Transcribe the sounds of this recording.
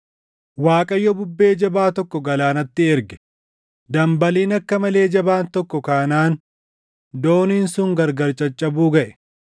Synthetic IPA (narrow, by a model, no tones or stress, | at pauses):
waːkʼɐjːɔbʊbːe̞ːd͡ʒɐbaːt̪ɔkːɔɡɐlaːnɐt̪ːɪɛɾɡɛ̥ | d̪ɐmbɐliːnɐkːɐmɐle̞ːd͡ʒɐbaːnt̪ɔkːɔkaːnaːn | d̪o̞ːniːnsʊŋɡɐɾɡɐɾt͡ʃʼɐt͡ʃʼːɐbuːɡɐʔɛ̥